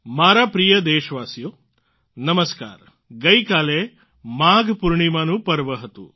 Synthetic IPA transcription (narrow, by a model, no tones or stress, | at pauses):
maːɾaːpɾijɐd̪eːʃʋaːsjoː | nɐmɐska̰ːɾ | ɡɐjkaːle | maːɡpuɾɳimaːnupɐɾʋɐɦɐt̪ṵ